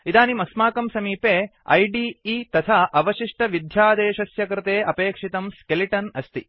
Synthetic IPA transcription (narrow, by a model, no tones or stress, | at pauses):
id̪aːnimɐsmaːkɐmsɐmiːpeː | ɐ̰jɖiːiːt̪ɐt̪ʰaʔɐʋɐʃiʂʈɐʋid̪ʱjaːd̪eːʃɐsjɐkɾɪt̪eːʔɐpeːkʂit̪ɐmskeliʈɐnɐst̪i